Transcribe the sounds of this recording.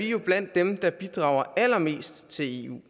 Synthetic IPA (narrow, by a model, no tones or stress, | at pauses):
ijo̝b̥læn̰d̥ːemd̥ɑ̈b̥id̥ʁɑ̈ʊɐælɐme̝̰ːsd̥t͡sʰe̝le̝̰ːṵː